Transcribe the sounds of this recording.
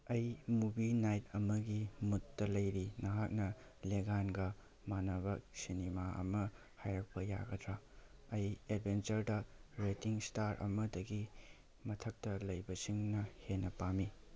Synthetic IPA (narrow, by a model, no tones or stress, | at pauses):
ɐjmubinajtɐmɐɡimutːɐlɐjɾinɐɦak̚nɐleɡanɡɐ | manɐβɐk̚sinimaʔɐ̰mɐ | hajɾɐk̚pɐja̰ɡɐdʰɾaɐjed̚bʱent͡ʃɐɾdɐɾetiŋstaɾʔɐ̰mɐdɐɡi | mɐtʰɐk̚tɐlɐjbɐsiŋnɐhenːɐpami